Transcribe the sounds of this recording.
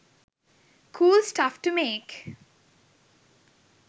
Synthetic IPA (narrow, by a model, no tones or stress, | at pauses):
kʰuːlsʈafʈumeːk